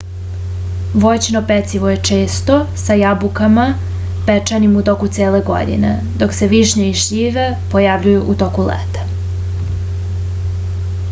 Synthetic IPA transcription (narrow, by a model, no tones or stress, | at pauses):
ʋo̞jt͡ɕinopet̪siʋo̞je̞t͡ʂeːst̪o̞sajabukama | pet͡ʂanimut̪o̞kut̪seːle̞ɡo̰d̪ḭne̞̰ | d̪o̞kse̞ʋiʃɲeiʃʎiːʋe | po̞jaʋʎujuʔut̪o̞kulḛt̪ḁ